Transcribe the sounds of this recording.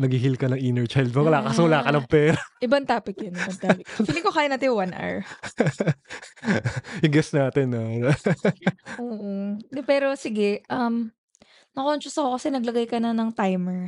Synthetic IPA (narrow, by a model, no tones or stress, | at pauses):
nɐɡhiɦilkɐnɐŋʔiːnɛɹt͡ʃajld̪̚mɐwɐlaːŋkɐswɐlaːkɐnɐŋpɛːɾɐʔɪbɐnt̪aːpɪk̚jonʔɪbɐnt̪apɪfiːlɪŋkokaːjɐnɐt̪ɪjʊwanʔɛ̰ɹ | hɪɡɛsnaːt̪ɛnːɐ | ʔoːʔonpɛːɾo̞sɪɡɛʔɐm | nɐkont͡ʃʊsɐkokɐsɛnɐɡlɐɡajkɐnɐnɐŋt̪ajmɛɹ